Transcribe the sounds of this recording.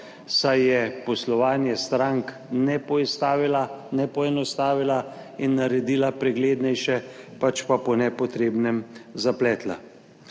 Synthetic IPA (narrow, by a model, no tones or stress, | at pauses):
sajjɛpɔslɔʋaːnjɛst̪ɾaŋk | nɛpɔɛst̪aːʋilanɛpɔɛnɔst̪aːʋila | inːaɾɛd̪iːlapɾɛɡleːd̪nɛjʃɛpat͡ʃpapɔnɛpɔt̪ɾeːbnɛmzaplɛːt̪la̰